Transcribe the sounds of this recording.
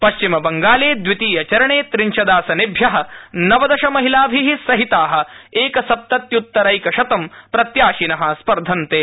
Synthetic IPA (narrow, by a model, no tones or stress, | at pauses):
pɐʃt͡ʃimɐbɐŋɡaːleːd̪ʋit̪iːjɐt͡ʃɐɾɐɳeːt̪ɾiɲt͡ʃɐd̪aːsɐnibʱjɐɦɐ̆nɐʋɐd̪ɐʃɐmɐɦilaːbʱiɦisɐɦit̪aːɦɐ̆eːkɐsɐp̚t̪ɐt̪jut̪ːɐɾɐjkɐʃɐt̪ɐmpɾɐt̪jaːʃinɐɦɐ̆spɐɾd̪ʱɐnt̪eː